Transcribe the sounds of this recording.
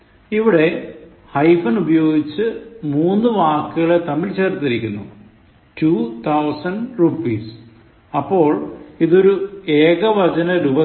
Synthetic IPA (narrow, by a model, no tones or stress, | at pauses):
iʋiɽe̞ | hɐjfɐnubɐjo̞ːɡit͡ɕːɨmuːnːɨʋaːkːɨɣɐɭet̪ɐmilt͡ɕe̞ːrt̪ːiɾikʲːunːṵ | tuːt̪ʰɐwsɐnɖrupiːs | ɐpːo̞ːɭiðo̞ɾueːɣɐʋɐd͡ʑɐnɐɾubɐ